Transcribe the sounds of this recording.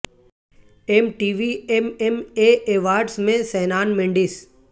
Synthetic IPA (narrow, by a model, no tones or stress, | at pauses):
emʈiːʋiememeːʔeːʋaːɾɖsmẽsɛːnaːnmɪ̃ɳɖɪs